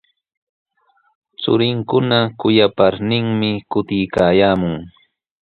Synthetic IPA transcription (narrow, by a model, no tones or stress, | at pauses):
t͡sʊ̰ɾɪŋkʊnakʊjapaɾnɪŋmɪkʊt̪ɪjkaːjaːmʊŋ